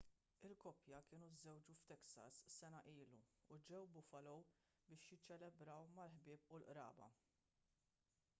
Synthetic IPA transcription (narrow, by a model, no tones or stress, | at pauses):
ɪlkɔpjɐkɪːnuzːɛwd͡ʒuft̪ɛksɐ̰sːɛnɐʔiːluːd͡ʒɛwbʊfɐlɔw | bɪːʃjɪt͡ʃːɛlɛbɾɐwmɐlħbɪːpʊlʔɾɐ̰ːbɐ̰